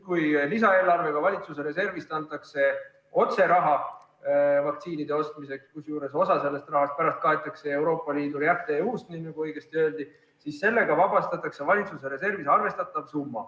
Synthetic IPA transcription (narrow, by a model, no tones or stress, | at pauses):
kujlisɑe̞ːlɑrve̞ɡ̥ɑvɑlʲit̪sus̬e̞ɾe̞se̞rvist̪ɑnt̪ːˑɑkse̞ | o̞t̪se̞ɾɑɦɑ | vɑkt̪siːnid̪̥e̞o̞st̪mise̞kskusjuːɾe̞so̞sɑse̞lːe̞st̪rɑɦɑst̪̚pæɾɑst̪̚kɑe̞t̪ːˑɑkse̞e̞wɾo̞ːpːˑɑliːd̪ujæt̪ːˑe̞ust̪ninnɑɡ̥uɤ̞jɡ̥e̞st̪iø̞ːld̪̥i | sisːe̞lːe̞ɡ̥ɑvɑbɑst̪ɑt̪ːˑɑkse̞vɑlʲit̪suseɾe̞se̞rvisɑrve̞st̪ɑt̪ˑːɑvsumːɑ